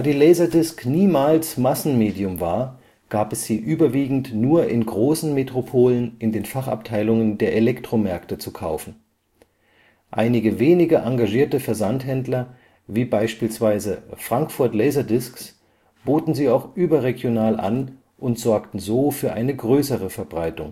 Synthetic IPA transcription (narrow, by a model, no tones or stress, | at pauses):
d̥aːdiːlɛɪzɐdɪskniːmaːlsmasn̩meːdiʊmvaːɐ | ɡ̥aːpɛsz̥iːʔyːbɐviːɡŋ̩tnuːɐʔɪnɡʁoːsn̩metʁ̥opʰoːlənʔɪndeːnfaχa̰p̚tʰaɪlʊŋəndeːɐʔelɛktʁ̥omɛɐktət͡sukʰaʊfn̩ | ʔa̰ɪnɪɡəveːnɪɡɐʔaŋɡaʒiːɐtəfɛɐzantɦɛndlɐ | viːbaɪʃpiːlsv̥aɪzəfʁ̥aŋkfʊɐtlɛɪzɐdɪsks | b̥oːtn̩ziːaʊxʔyːbɐʁeɡjonaːlʔa̰n | ʔʊntz̥ɔɐktn̩zoːfyːɐʔaɪnəɡʁøːsəʁ̞əfɛɐbʁaɪtʊŋ